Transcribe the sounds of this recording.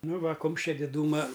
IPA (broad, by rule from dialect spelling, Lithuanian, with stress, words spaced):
ˈnʊ ˈʋɐ ˈkʊmʲʃʲt͡ʃʲɛ dʲɪˈduːmɐ